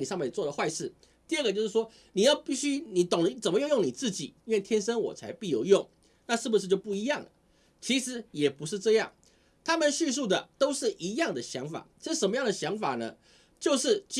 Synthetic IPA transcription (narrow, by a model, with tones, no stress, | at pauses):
ni˨˩ʂɑ˥˧ŋmɛ˥˩nt͡swɔ˥˩d̪ə˩xwa˥˧ɪʂɻ̩˥˩ | t̪i˥˧ə˥˩ɡə˩t͡ɕjo˥˧ʊʂɻ̩˥˩ʂwɔ˥ | ni˨˩jɑ˥˧ʊpi˥˩ɕy˥ni˨˩t̪o˨˩ŋlt͡sə˨˩nmə˦jŋjo˥˩ŋni˨˩t͡sɹ̩˥˩t͡ɕḭ˨˩i˥nwe˥˩ɪt̪ʰjɛ˥nʂə˥nwɔ̰˨˩t͡sʰa˧˥ɪpi˥˧jo˥˧˩ʊjʊ˥˩ŋ | na˥˧ʂɻ̩˥˩bu˧ʂɻ̩˥˧t͡ɕjo˥˧ʊp̬u˥˩i˧˥jɑ˥˩ŋlə˩ | t͡ɕʰi˧˥ʂɻ̩˨˩˦jɛ˨˩pu˧˥ʂɻ̩˥˧ʈ͡ʂɤ˥˧jɑ̰˥˩ŋ | t̪ʰa˥mə˨nɕy˥˧s̬u˥˩d̪ə˩t̪o˥ʊʂɻ̩˥˩ʔi˧˥jɑ˥˩ŋd̪ə˩ɕjɑ̰˧˥ŋfa̰˨˩˦ɻ̩˥˩ʂə˧˥nmə˦jɑ˥˩ŋd̪ə˩ɕjɑ˧˥ŋfa˨˩nə˦ | t͡ɕjo˥˧ʊʂɻ̩˥˩t͡ɕ